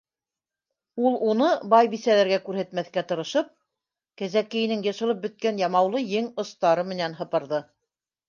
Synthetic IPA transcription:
ulˠunɤbɑjbisælæɾɡækʉɾhæt̪mæθkæt̪ɤ̆ɾɤ̆ʃɤp̚ | kæzækɘ̆jɘ̆nɘŋjɤ̆ʃɤ̆lˠɤp̚bɘ̆t̪̚kænjɑmɑwlˠɤjɘŋŏst̪ɑɾɤmɘ̆nænɦɤ̆pɤ̆ɾðɤ

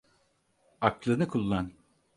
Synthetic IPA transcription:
aklˠɯnɯkʰulˠːan

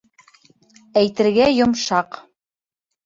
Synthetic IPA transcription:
æjt̪ɘ̆ɾɡæjŏmʃɑq

